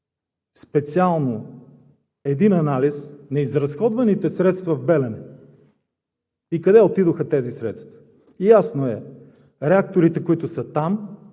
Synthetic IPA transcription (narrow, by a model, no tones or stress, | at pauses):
spɛt̪sialˠno | ɛd̪inɐnalisnɐizɾɐsxɔd̪vɐnit̪ɛsɾɛt̪st̪vɐvbɛlɛnɛ | ikɐd̪ɛot̪id̪oxɐt̪ɛzisɾɛt̪st̪vɐ̥ | jasnoɛ | ɾɛak̚t̪oɾit̪ɛkoit̪ʊsət̪am